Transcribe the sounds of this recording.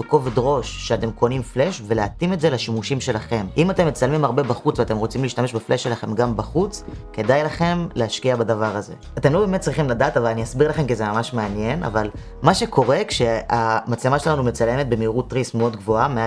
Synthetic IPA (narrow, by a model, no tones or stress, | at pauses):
veko̞vedʁo̞ʃːeate̞mko̞nimfle̞ʃve̞leatimetze̞laʃimuʃimʃe̞laχe̞mʔimate̞mːe̞t͡salmimaʁbe̞baχut͡sveate̞mʁo̞t͡simleiʃtame̞ʃbeflʔeʃe̞laχe̞mɡambaχut͡ske̞dajlaχe̞mleaʃkiabadavaʁaze̞̰ate̞mlobeːmet̚t͡sʁiχimladaːtavalaniasbiʁlaχe̞mkizemamaʃmeanje̞nʔa̰val | maʃe̞kʰo̞ʁe̞kʃe̞amat͡slemaʃelanume̞t͡salje̞met̪̚bemiːʁutːʁismeo̞dɡvo̞amea